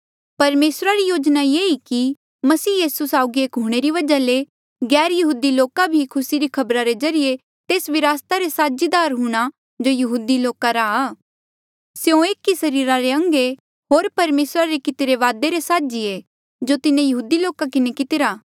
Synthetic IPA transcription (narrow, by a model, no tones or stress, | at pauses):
pɐɾmeːsɾaɾijoːd͡ʒnajeːiki | mɐsiːjiːsusaːʊɡieːkɦuɽ̃eɾiʋɐd͡ʒale | ɡɛːɾjɐɦuːd̪iloːkabʱikʰʊsiɾikʰɐbɾaɾezɐɾɪje | t̪eːsʋɪɾaːst̪aɾesaːd͡ʒid̪aːɾɦuɽ̃a | d͡ʒojɐɦuːd̪iloːkaɾaaː | sjõeːkisɐɾiːɾaɾeɐ̃ŋɡe | ɦoːɾpɐɾmeːsɾaɾekɪt̪ɪɾeʋaːd̪eɾesaːd͡ʒie | d͡ʒot̪ɪnẽjɐɦuːd̪iloːkakɪnekɪt̪ɪɾaː